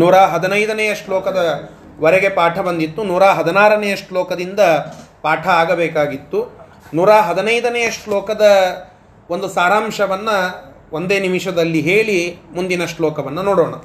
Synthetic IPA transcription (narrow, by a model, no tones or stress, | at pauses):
nuːɾaːɦɐd̪ɐnɐjd̪ɐnɛjɐʂlɔːkɐd̪ɐ | ʋɐɾɛɡe̞paːʈʰɐbɐnd̪it̪ːunuːɾaːɦɐd̪ɐnaːɾɐnejɐʂʈlɔːkɐd̪ind̪ɐpaːʈʰɐaːɡɐbɛːkaːɡit̪ːu | nuːɾaːɦɐd̪ɐnɐjd̪ɐnejɐʂʈlɔːkɐd̪ɐ | o̞nd̪usaːɾaːmʂɐʋɐnːɐ | ʔond̪eːnimiʂɐd̪ɐlːiɦe̞ːɭimund̪inɐʂlɔːkɐʋɐnːɐnoːɽoːɳɐ